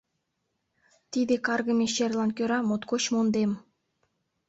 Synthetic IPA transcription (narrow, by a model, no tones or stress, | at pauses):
t̪id̪ekɑrɡə̆mʲeɕerlˠɑnkʲøɾɑmot̪kot͡ɕmond̪em